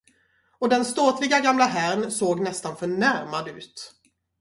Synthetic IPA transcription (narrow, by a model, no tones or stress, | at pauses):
ɔd̪ɛnst̪oːt̪vɪɡaɡamlaɦæɾnsoːɡnɛst̪anfœɳæɾmad̪ʉ̟ːt̪